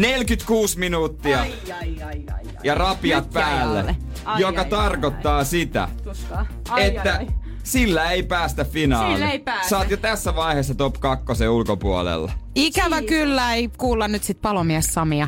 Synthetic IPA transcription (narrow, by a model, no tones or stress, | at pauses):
nelkyt̪kuːsminuːt̪ːiɑ | jɑrɑpiɑt̪̚pæːlːḛ | jokɑt̪ɑrkot̪ːɑːsit̪æ̰ | et̪ːæ | silːæeipæːst̪æffinɑːnsɑːt̪jot̪æsːæʋɑiheːsːɑt̪opkɑkːoseulkopuo̰lḛlːɑ̰ikæʋækylːæeikuːlːɑnnyt̪sit̪̚pɑlomiɛsːɑmiɑ